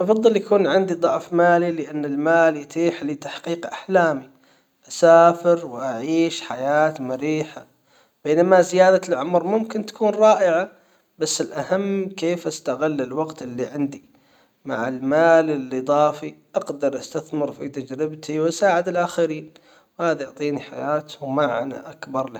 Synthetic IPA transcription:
ʔɑfɑðˤːɨljakuːnʕɪnd̪id̪ˤɑʕfmaːlilɪʔanːɪlmaːljɪt̪iːħlit̪aħqiːqʔa̰ħlaːmi | ʔasaːfɪɾwʔaʕiːʃħajaːt̪mʊɾiːħa | b̥eːnamazɪjaːd̪alʕʊmɾmʊmkɪnt̪ḁkuːnɾˤɑːʔɪʕa | basːɪlʔahamːkeːfʔast̪aɣɪlːɪlwɑɡt̪ʔɪlːiʕɪnd̪i | ma̰ʕɪlmaːlɪlːid̪ˤɑːfiʔɑɡd̪ɑɾˤʔast̪aθmɪɾfit̪ad͡ʒɾɪbt̪iwʔasaːʕɪd̪ɪlʔaxaɾiːn | whaːðajʊʕt̪ˤiːniħa̰jaːt̪maʕna̰ʔakbɑɾˤl

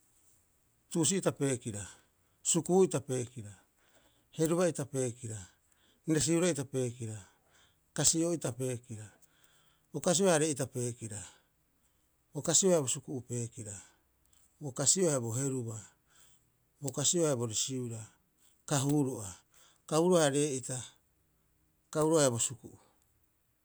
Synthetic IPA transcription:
tuːs̬iːtape̞ːkiɾa | sukuitape̞ːkiɾa | he̞ɾuβaitape̞ːkiɾa | niɾas̬iuɾaitape̞ːkiɾa | kasioitape̞ːkiɾa | bokas̬ioaaɾeitape̞ːkiɾa | bokasioabosukuʔupe̞ːkiɾa | bokasioaeboɦe̞ɾuba | bokasioabo̞ɾisiuɾa | kaɦuːɾoʔa | kauɾoaɾe̞ːʔita | kauɾoaebo̞sukuʔu

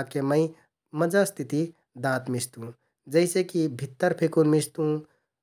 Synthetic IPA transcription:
keməĩ | məd͡ʒast̪ʰɪt̪i | d̪ãːt̪mɪst̪ũː | d͡ʒəɪsekibʱɪt̪ːəɾpʰɪkunmɪst̪ũ

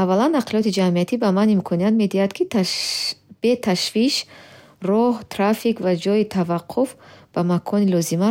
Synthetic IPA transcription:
avːalanːaqʰliɔt̪id͡ʒamiat̪ʰibamanimkʰɔniat̪me̞d̪ihad̪kʰi | b̥et̪ʰaʃviʃ | rɔht̪ʰɾafikvad͡ʒɔjit̪ʰavaqʰːufb̥amakʰɔnilɔzima

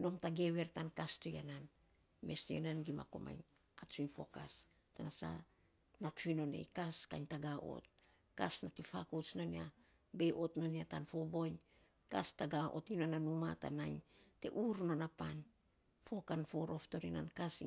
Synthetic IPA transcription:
no̞mtaɡe̞βe̞ɾtankastojanan | me̞stojananɡima̰ko̰mʔa̰jn | at͡ʃujnfo̞̰kastanasa̰ | natfino̞ne̞̰jkaska̰ɲtaɡaʔo̰t̚ | kasnatifakot͡ʃno̞nia | be̞ʔo̞tno̞niatanfo̞bo̞jɲ | kastaɡaʔo̞̰tinonanuma̰ta̰najɲte̞̰ʔuɾno̞napan | fo̞kanfo̞ɾo̞fto̞ɾina̰nkas

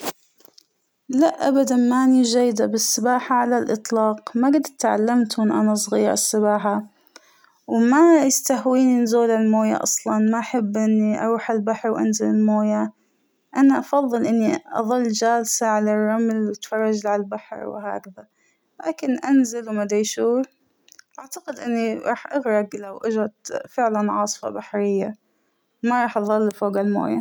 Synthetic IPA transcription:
laʔʔːabad̪anmaʔaniʒajːd̪abɪsːɪbaːħaʕalalʔɨt̪ˤlɑːqmaɡad̪t̪ʕa̰lːamt̪mɪnʔa̰nasˤɣiːɾɪ̰sːɪbaːħa | wmajɪst̪ahwiːninzuːlalmoːja̰ʔɑ̰sˤlɑnmaʔaħabːʔɪnːiʔɑ̰ɾuːħalbaħɾwʔa̰nzalɪlmoːja | ʔanaʔɑfɑðˤːɨlʔɪnːiʔɑ̰ðˤɨlːd͡ʒaːlsaʕalarˤːɑmlwɪt̪fɑrˤːɑd͡ʒlʕalbaħɾw̰ha̰ːkaða | la̰ːkɪnʔanzalwmad̪ajʃuːɾ | ʔaʕt̪aqɪd̪ʔɪnːiɾˤɑ̰ːħʔaɣɾˤɑɡlawʔad͡ʒɾˤɑt̪fɪʕlanʕɑːsˤfɑ̰baħɾɪjːa | maɾˤɑːħʔɑðˤɑlːfoːɡalmo̰ːja

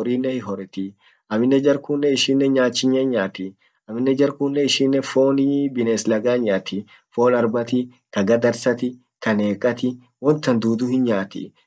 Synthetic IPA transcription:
ɔɾiːnːɛhɪɦɔɾɛt̪ɪ | ɐmɪnːɛd͡ʒɐɾkuːnːɛɪʃiːnːɛɲaːt͡ʃːɪɲːɐɲaːt̪ɪ | ɐmɪnːɛd͡ʒɐɾkuːnːɛɪʃiːnːɛfo̞ːnibɪneːslɐɡaːɲːaːt̪ɪ | foːlɐɾbɐt̪ɪ | kɐɡɐd̪ɐɾsɐt̪ɪ | kʰɐneːkʼːɐt̪ɪ | wɔnt̪ːɐnd̪uːd̪ʊhɪnɲaːt̪ɪ̰

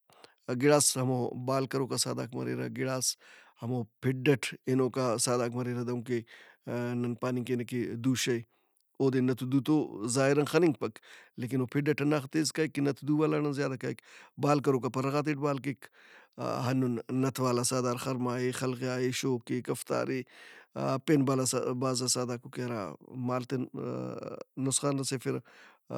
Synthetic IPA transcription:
ɡiɽaːshɐmobaːlkɐɾoːkasa̰ːd̪a̰ːkmɐ̰ɾḛɾa̰ɡiɽaːshɐmopʰiɖɐʈʰinoːkasaːd̪aːkmɐɾeːɾɐd̪ɐũŋke | nɐnpaːniŋkenɐked̪uʃɐj | oːd̪enɐt̪ʰud̪ut̪oːzaːɦiɾɐnxɐniŋɡ̚pɐkleːk̬inopʰiɖɐʈʰɐnaxt̪eːzkaːjkːinɐt̪ʰud̪uwaːlanɐnzjaːd̪ɐkaːjkbaːlkɐɾokapɐɾɐɣaːt̪̬eʈ̚baːlkek | ɦɐnunːɐt̪ʰwaːlasaːd̪aːɾxɐɾmaːexɐlɣjaːeʃoːkekɐft̪a̰ːɾi | penbalabaːzasaːd̪aːkukeɐɾa̰ːmaːlt̪e | nʊsxaːnɾɐsefiɾɐ̰

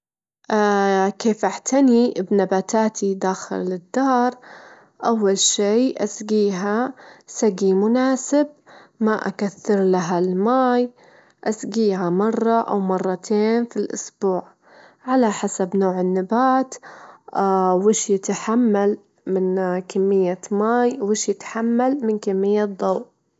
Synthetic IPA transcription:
ʔakeːfʔaħt̪ʰanibnabaːt̪ʰaːt̪ʰid̪aːxɪ̰lɪd̪ːɑːɾˤ | ʔawːalʃeːʔasɡiːɦasaɡimʊnaːsɪb̚maʔa̰kaθːɪɾlaɦalmaːj | ʔasɡiːɦamɑrˤːɑʔawmɑrˤːɑt̪ʰeːnfilʔʊ̰sbuːʕ | ʕalaħasabnoːʕɪnːɪbaːt̪ | wɪːʃjɪt̪aħamːal | mɪnkamːɪjːamaːjwɪːʃjɪt̪ħamːalmɪnkamːɪjːad̪ˤɑw

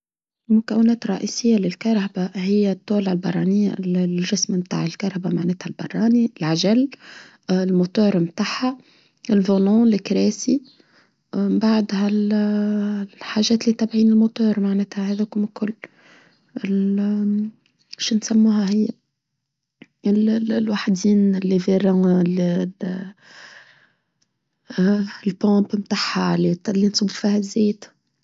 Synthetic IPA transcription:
lmʊkawːɪnɛːt̪ɾˤːɑʔiːsɪjːalɪlkɑɾˤhabahɪjːat̪ˤːoːlalbɑrˤːɑːnɪjːaʒɪsmmt̪a̰ːʕɪlkɑɾˤhabamaʕneːt̪halbɑ̰rˤːɑːniɪlʕaʒal | lmot̪uːɾmt̪aːħa | ɪlvoloːlɪkɾeːsi | baʕd̪hal | lħaʒɛːt̪lit̪ːæbʕiːnɪlmot̪ɔːɾˤmaʕnɛːt̪hæhɛːðækumkːʊlː | ɪl | ʃnsæmːuːhæɦɪjːa | ɪllwaħd̪iːnlːiveɾɑ̃l | lpɑ̃ːpmt̪aħalilːinsˤubfiːhæzːɛːt̪

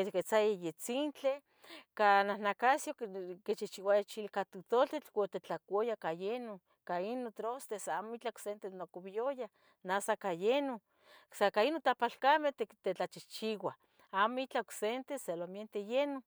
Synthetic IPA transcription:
eket͡sajajet͡sint͡ɬe | kananakasjoket͡ʃiht͡ʃiwajat͡ʃilkat̪ut̪oɬt̪et͡ɬwot̪et͡ɬakʷojakajeno | kainot̪ɾost̪esamoit͡ɬaksent̪enokoβijoja | nasakajeno | sakainot̪apalkamet̪et̪et͡ɬat͡ʃit͡ʃiwa | amoit͡ɬaoksent̪eselomjent̪ejeno

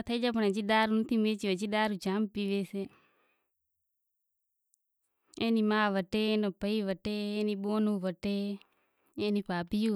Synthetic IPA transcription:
t̪ʰəid͡ʒaːp̬əɳẽːd͡ʒiɗaːɾunət̪ʰimeːt͡ʃiʋet͡ʃiɗaːɾud͡ʒaːmpiːʋeːse | eːniːmaːʋəʈeːeːnoːpəiʋəʈeːeːniːɓoːnuːʋəʈe | eːniːpaːpiu

